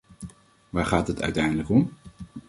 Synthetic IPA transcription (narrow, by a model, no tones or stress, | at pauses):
ʋaːɹχaːtɦətœ̰ɥtɛjndələkɔm